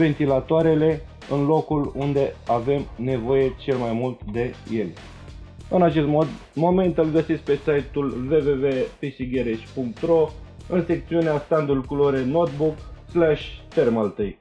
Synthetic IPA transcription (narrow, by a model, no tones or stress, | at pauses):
ve̞nt̪ilat̪oaɾe̞le̞ | ɨnlo̞kulund̪e̞ave̞mne̞vo̞je̞t͡ʃe̞lmajmult̪d̪e̞je̞lʲ | ɨnat͡ʃe̞st̪m | mo̞me̞nt̪ɨlɡəsitsk̚pe̞sajt̪ulve̞veve̞pisiɡeɾeʃʲpuŋk̚t̪ɾo̞ɨnse̞k̚t̪siuneast̪and̪ulkuloɾeno̞t̪̚bukslaʃʲt̪e̞rmalt̪ɨj